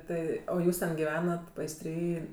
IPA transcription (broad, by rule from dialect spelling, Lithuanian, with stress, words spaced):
ˈtɐɪ oː ˈjuːs tʲɛn ɡʲɪˈʋʲæːnɐt pɐɪsʲˈtʲrʲiː